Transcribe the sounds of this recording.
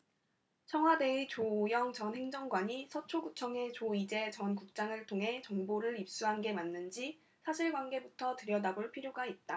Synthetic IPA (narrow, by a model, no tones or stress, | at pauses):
t͡ɕʰʌŋɦwade̞et͡ɕojʌŋt͡ɕʌnɦe̞ŋd͡ʑʌŋɡwaɲisʰʌt͡ɕʰoɡut͡ɕʰʌŋe̞t͡ɕoid͡ʑe̞t͡ɕʌnkuk̚t͡ɕ͈aŋɯɭtʰoŋɦe̞t͡ɕʌŋboɾɯɾip̚s͈uɦanɡe̞manːɯnd͡ʑi | sʰaɕʰiɭɡwanɡe̞butʰʌtɯɾjʌdaboɭpʰiɾjoɡait̚t͈a